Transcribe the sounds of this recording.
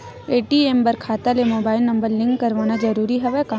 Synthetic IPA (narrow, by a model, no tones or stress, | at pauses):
eːʈiembɐɾkʰaːt̪alemoːbaːɪlnɐ̃mbəɾlɪ̃ŋkːɐɾʋaːnad͡ʒɐɾuːɾiɦɛʋɛkaː